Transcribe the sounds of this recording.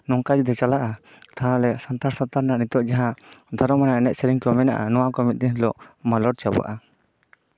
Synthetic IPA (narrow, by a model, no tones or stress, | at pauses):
nɔŋkad͡ʒid̪ɔt͡ʃalaʔa | t̪aɦãlɛsant̪aɾsat̪aɾnaʔnit̪ɔʔd͡ʒaɦãd̪ʱɔɾɔmanaɛnɛt̪̚sɛɾiŋkɔmɛna̰ʔa̰nɔwakɔmit̪̚d̪inlɔʔmalɔɽ̚t͡ʃaba̰ʔa